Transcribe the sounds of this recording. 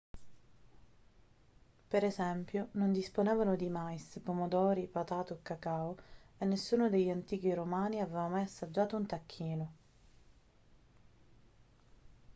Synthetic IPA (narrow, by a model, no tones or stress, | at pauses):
peɾɛzɛmpjonond̪isponɛːvanʊd̪imajspomod̪ɔːɾipat̪aːt̪okːakaːoenːesːuːnod̪eʎːant̪iːk̟iɾomaːniavɛːvamajasːad͡ʒːaːt̪ount̪akʰːiːno